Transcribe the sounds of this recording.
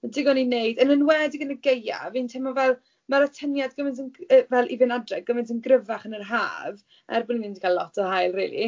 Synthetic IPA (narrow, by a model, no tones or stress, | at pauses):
dɪɡɔninejdənənwɛdɪɡənəɡeja̰vintʰɛmɔvɛlˠ | maɾɔtʰənjadɡəmɪntənəvɛlˠʔivɪnadrɛɡəmɪntʰənɡrəvaχənərɦa̰ːv | a̰rbɔninɪndi̥kʰalˠɔtʰɔhajlˠriːlˠḭ